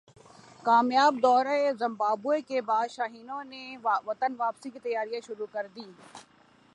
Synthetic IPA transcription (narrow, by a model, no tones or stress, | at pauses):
kaːmjaːb̚d̪ɔːɾaezɐ̃mbaːbuekebaːd̪ʃaːɦiːnõneʋɐt̪ənʋaːpsikit̪ɐjaːɾijaʃʊɾukɐɾd̪iː